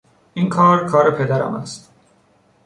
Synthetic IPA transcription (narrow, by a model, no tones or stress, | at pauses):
ʔinkʰɒːɾkʰɒːɾepʰe̞d̪æɾæ̰mæ̰st̪